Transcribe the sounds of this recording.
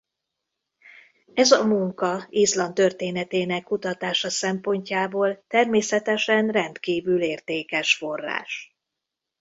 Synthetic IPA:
ɛzɒmuŋkɒizlɒnt̪ø̞rt̪eːnɛt̪eːnɛkːut̪ɒt̪aːʃɒsɛmpo̞ɲcaːboːlt̪ɛrmeːsɛt̪ɛʃɛnrɛnt̪kiːvyleːrt̪eːkɛʃfo̞rːa̰ːʃ

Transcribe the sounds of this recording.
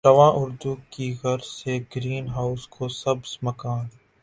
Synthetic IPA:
ʈɐʋãːʔʊɾd̪uːkiɣɐɾseɡɾiːnɦaːʊskʰosɐbsmɐkaːn

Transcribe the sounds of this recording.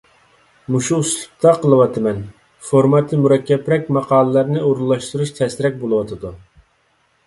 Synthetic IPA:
muʃuslˠu̥q̚t̪ʰɑqʰəlˠɨwɑt̪ʰɨmɛn | foɾmɑt̪ʰːɨmuɾɛkʲːɛpɾɛkʲmɑqʰɑːlˠəlæɾnɪoɾulˠːɑʃt̪uɾuʃt̪ʰɛsɪɾɛk̚ʲbolˠɨwɑt̪ʰɨd̪u

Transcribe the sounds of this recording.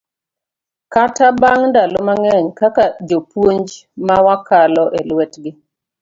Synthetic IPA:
katabaŋdalomaŋɛɲkakad͡ʒopwoɲd͡ʒmawakalɔʔelwɛtɡɪ

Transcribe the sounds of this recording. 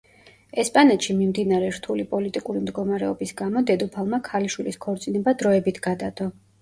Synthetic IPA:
ɛspʼanɛt̪ʃimimd̪inaɾɛɾt̪ʰulipʼɔlit̪ʼikʼuɾimd̪ɡɔmaɾɛɔbisɡamɔd̪ɛd̪upʰalˠmakʰaliʃwiliskʰɔɾt̪sʼinɛbad̪ɾɔɛbit̪ʰɡ̥ad̪ad̪̥ɔ

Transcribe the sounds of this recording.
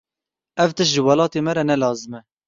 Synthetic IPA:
ɛvt̪ɨʃʒəwɑlɑːt̪emɛɾɛnɛlɑːzɨmɛ

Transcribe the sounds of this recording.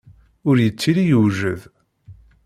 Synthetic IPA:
ʊɾjət͡sːiɾijəwʒəð

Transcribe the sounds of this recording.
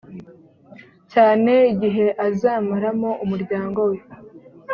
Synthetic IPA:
caːne̞iɟiɦe̞ʔazaːmaɾamo̞ʔumuɾɟaːŋɡo̞we̞

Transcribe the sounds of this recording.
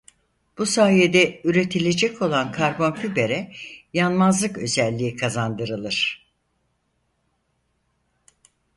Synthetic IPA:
b̥usaːjed̪ɛyɾe̞t̪ʰilʲe̞d͡ʒɛcʰo̞lˠankʰaɾbo̞nkʰybe̞ɾɛjanmazlˠɯkø̞zɛlʲːiːikʰazand̪ɯɾɯlˠɯɾ̥

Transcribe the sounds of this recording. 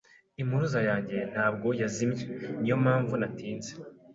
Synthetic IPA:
imuɾuzajaːɲɟe̞n̥haːb̚ɡo̞jazimjenijo̞maːɱvunatiːnze̥

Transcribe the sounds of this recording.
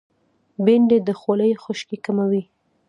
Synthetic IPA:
beɳɖed̪əxoləjxʊʃkikamawi

